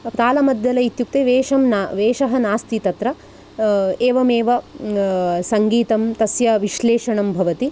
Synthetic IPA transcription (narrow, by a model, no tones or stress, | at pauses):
t̪aːlɐmɐd̪ʱjɐlɐit̪juk̚t̪eʋeːʃɐmnʋeːʃɐɦɐnaːst̪it̪ɐt̪ɾɐ | eːʋɐmeːʋɐ | sɐŋɡiːt̪ɐmt̪ɐsjɐʋiʃleːʂɐɳɐmbʱɐʋɐt̪i